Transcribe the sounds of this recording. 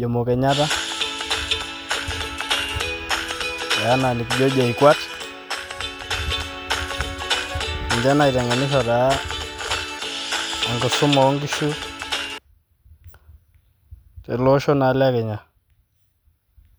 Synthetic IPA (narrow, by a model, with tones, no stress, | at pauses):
d͡ʒe˨mo˨kɛ˨ɲa˦ta˦ | a˨a˦na˨nɪ˨kd͡ʒo˦d͡ʒa˨i˨kwa˦t | i˨ɲd͡ʒa˦na˨i˨tɛ˨ŋɡa˨nɪ˦ʃ̬ɔ˨ta˨˦˨ | ŋɡɔ˨sʊ˦mɔ˨˦ŋɡi˦ʃu˦ | te˨lo˦ʃo˦na˨la˦kɛ˨ɲa˨